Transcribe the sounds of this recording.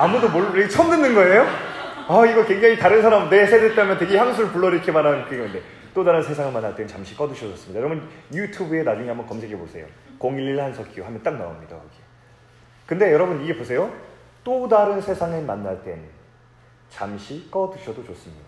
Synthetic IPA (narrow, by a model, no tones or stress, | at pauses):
amudomoɭɾeɡet͡ɕʰʌmnɯnːɯnɡʌe̞joaiɡʌkwe̞ŋd͡ʑaŋitaɾɯnsʰaɾamne̞sʰedet̚t͈amjʌnteɡeçjaŋsʰuɾɯɭpuɭːʌɾikʰemananɯnkɯeɡʌnɯnde̞ | t͈odaɾɯnsʰe̞sʰaŋɯɭmanːaɭt͈e̞nɯnt͡ɕamɕʰi̥k͈ʌdɯɕʰʌoʌs͈ɯmɲidajʌɾʌbunjutʰubɯe̞nad͡ʑuŋeambʌnkʌmsʰeɡʰebosʰe̞jo̰koŋiɭːiɭhansʰʌkʰiohamjʌnt͈ak̚na̰o̰mɲida̰o̰kʰe | kɯnde̞jʌɾʌbuniɡe̞posʰe̞jo | t͈odaɾɯnsʰe̞sʰaŋɯɭmanːaɭt͈e̞nɯ | t͡ɕamɕʰik͈ʌdɯɕʰʌdot͡ɕos͈ɯmɲida